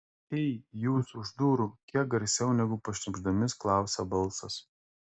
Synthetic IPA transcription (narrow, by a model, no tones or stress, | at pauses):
ɛɪjuːsʊʒd̪uːɾukʲiɛk̚ɡɐɾʲsʲɛʊnʲɛɡʊpɐʃʲnʲɪɡʒd̪ɐmʲɪsklˠɑˑʊsʲɛbɐlˠˑsɐs